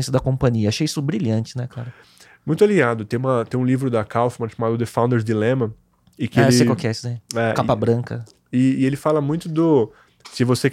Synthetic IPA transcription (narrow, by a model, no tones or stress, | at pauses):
sɐd̪ɐkõpɐ̃ɲiɐaʃejisʊbɾiʎɐ̃nt͡ʃɪnɛklaɾɐ | mũj̃t̪ʊaliɡad̪ʊt̪ẽj̃ũmɐt̪ẽj̃ũlivɾʊd̪ɐkawfmɐ̃ʊʃamad̪ʊd̪ɪfãw̪̃d̪eɾzd̪ilẽmɐ | ɪkɪeɪsekawkɛsɪd̪ẽɛkapɐbɾɐ̃kɐ | ɪːelɪfalɐmũj̃t̪ʊd̪ʊ | sɪvose